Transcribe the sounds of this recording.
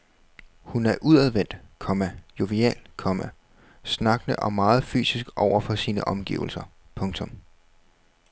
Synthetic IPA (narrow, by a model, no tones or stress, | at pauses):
hunæɐʔuðˠæð̞ˠʋen̰d̥kʰɒ̽mæjo̝ʋeɛ̰ːlkʰɒ̽mæ | snɑ̈ɡ̥nəʔɒ̽mːɑ̈ːð̞̩ˠfy̰ːsisɡ̥ʔɒʊ̰ɐfɒ̽siːnəʔɒ̽mɡ̥ḭʊl̩sɐpʰɔ̽ŋt͡sʰɔ̽m